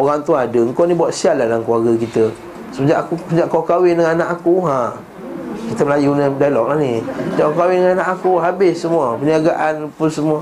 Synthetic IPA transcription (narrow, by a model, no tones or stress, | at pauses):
oɣaŋt̪uaadəŋkɔnibuatʔ̪sialadlaŋkluaɡəkit̪ə | səbəd͡ʒa̰ʔakud͡ʒaʔkɔkawɪndəŋannãʔakuɦã | kit̪əməlajunədajlɔk̚lahnisəd͡ʒaʔkokawɪndəŋaanaʔakuɦabɪssəmuapəniaɡaʔanpusəmua